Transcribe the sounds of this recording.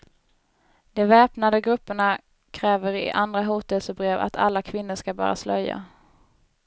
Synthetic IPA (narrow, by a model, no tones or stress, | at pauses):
d̪̥ɛvɛːpnad̪əɡɾɵpːəɳa | kʰɾɛːvəɾɪ̰ʔand̪ɾaɦuːt̪ɛlsəbɾeːva̰t̪ʰa̰lːakʰvɪnːəʂkabœ̰ːɾa̰slœjːa̰